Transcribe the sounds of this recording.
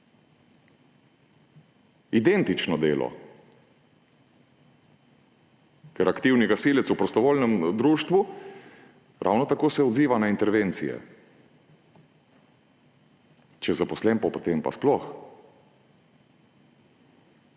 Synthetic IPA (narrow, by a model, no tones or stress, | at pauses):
id̪ent̪it͡ʃnɔd̪ḛːlɔ̰ | kɛɾakt̪iːwniɡasiːlɛt̪supɾɔst̪ɔʋoːlnɛmd̪ɾuːʃt̪ʋu | ɾʔa̰wnɔt̪akoːsɛɔd̪ziːʋanaint̪ɛɾʋent̪sijɛ̰ | t͡ʃɛzapɔslɛmpɔpot̪empa̰splɔx